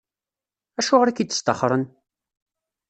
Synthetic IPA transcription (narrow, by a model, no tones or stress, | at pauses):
æʃʊʁəɾækit̪ːə̥st̪ɑχɾˤən